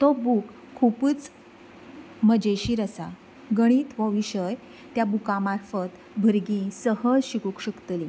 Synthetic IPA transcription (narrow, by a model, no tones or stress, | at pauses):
t̪ɔbuk | kʰːupəːt͡s | məd͡ʑeɕiːɾəsa | ɡəɽ̃iːt̪ʋəʋiɕəj | t̪jabukamaɾfət̪ | bʱəɾɡĩsəɦəɕikukɕəkt̪li